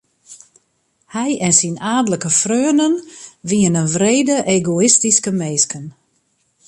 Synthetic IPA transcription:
hɛjɛnsinaːdələkəfrøːənənʋiənənʋreːdəʔeːɡoɪstiskəmeːskən

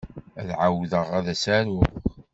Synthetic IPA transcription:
ælʕawðəʁæðæsæɾʊχ

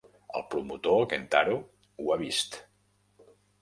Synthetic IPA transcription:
ə̰lˠpɾumut̪okent̪aɾu | uaβ̞ist̪

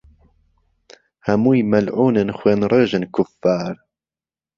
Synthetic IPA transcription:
hɐmuːjmɐlʕuːnɨnxweːnɾeːʒɨnkʰʊfːaːɾ

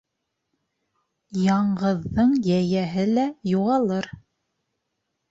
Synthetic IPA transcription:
jɑɴɢɤ̆ðːɤɴjæjæɦɘlæjuʁɑlˠɤɾ

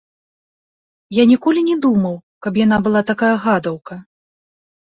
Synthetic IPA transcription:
janʲikɔlʲinʲɛd̪umɐwkɐpjan̪abɨlˠat̪akajɐɣad̪ɐwkɐ

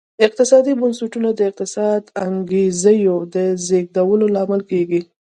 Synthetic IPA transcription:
ɪq̚t̪ɪsɑd̪ibʊnsuʈunad̪əɪq̚t̪ɪsɑd̪aŋɡezəjod̪əzeɡ̚d̪awəlolɑmɪlkeɡi

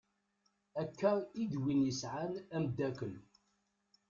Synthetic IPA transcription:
ækːæid̪winjəsʕanæmd̪ækəl

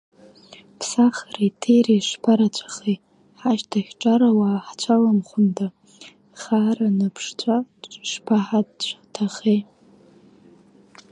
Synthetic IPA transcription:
pʰsaχaraitʰejrajʂpʰaɾat͡ɕʷʰḁχej | ħaʃtʰaχʲʈ͡ʂʼaɾawaːħt͡ɕʷʰalamχʷʊntʰa | χaranapʰʂt͡ɕʷʰʼaʂpʰaħat͡ɕʷʰatʰaχej

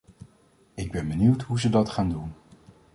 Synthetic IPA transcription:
ɪɡ̚bɛnbəniwtɦuzədɑtχaːndun

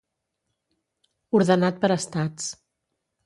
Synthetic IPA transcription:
uɾðənat̪̚pəɾəst̪at͡s

